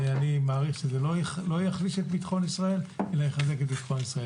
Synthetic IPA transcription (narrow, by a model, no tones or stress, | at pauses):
animaːʁiχʃezelolojaχliʃet̪̚bit̪χo̞nisʁae̞lelajeχaze̞ket̚bit̪χo̞nisʁae